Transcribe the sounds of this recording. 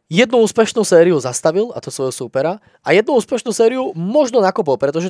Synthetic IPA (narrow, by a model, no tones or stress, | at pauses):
jɛd̪̚nuuːspɛʃnusɛːɾiuzast̪aʋila̰t̪ɔsʋɔjɦɔsuːpɛɾa | ajɛd̪nuuːspɛʃnuːsɛːɾiumɔʒnɔnakup̬ɔlˠpɾɛt̪ɔʒɛ